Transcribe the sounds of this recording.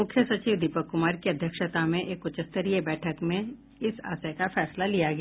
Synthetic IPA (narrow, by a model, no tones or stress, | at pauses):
mʊkʰjəsɐt͡ʃiːʋd̪ipəkːʊmaːɾkiɐd̪ʱjəkʃət̪amẽʔeːkʊt͡ʃəst̪əɾiebɛːʈʰəkmẽ | ɪsa̰ːsəkafɛːslalijaɡɛa